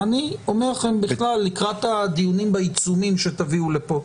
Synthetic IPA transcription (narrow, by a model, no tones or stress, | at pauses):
anio̞me̞ʁχe̞mbiχlalːikʁat̪ad̪ijunimbait͡sumimʃet̪aviulepo̞